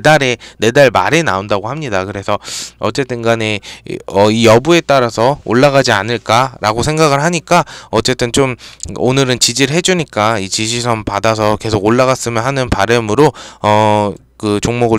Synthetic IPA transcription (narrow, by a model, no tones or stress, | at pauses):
daɾe̞ne̞daɭma̰ɾe̞naondaɡohamɲidakɯɾe̞sʰʌʌ̰t͡ɕ͈e̞t͈ɯnɡaneʌijʌbue̞t͈aɾasʰʌo̰ɭːaɣad͡ʑianɯɭk͈aɾaɡosʰe̞ŋɡaɣɯɭɦaɲik͈aʌt͡ɕ͈e̞t͈ɯnt͡ɕomo̰nɯɾɯnt͡ɕid͡ʑiɾɯɦe̞d͡ʑuɲik͈ait͡ɕiɕʰis̬ʰʌmpadasʰʌke̞sʰoɡoɭːaɣas͈ɯmjʌnɦanɯnpaɾɯmɯɾoʌ | kɯt͡ɕoŋmoɡɯɭ